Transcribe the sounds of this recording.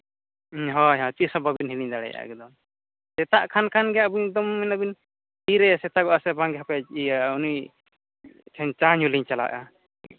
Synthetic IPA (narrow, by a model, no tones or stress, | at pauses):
ɦɔ̃ɦɔ̃t͡ʃisɔbabinɦiliɲd̪aɽɛ̰ja̰ɛ̰kɛd̪ɔ | sɛt̪aʔkʰankʰanɡɛjaʔbuɲk̚d̪ɔmːɛnabin | hiɾɛsɛt̪aɡɔʔasɛbãŋɡɛɦapɛt͡ʃijauni | tʰɛnt͡ʃaɲuliɲt͡ʃala̰ʔa